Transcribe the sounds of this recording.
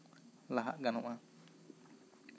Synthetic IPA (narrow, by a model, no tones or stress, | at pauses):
laɦa̰ʔɡanuʔã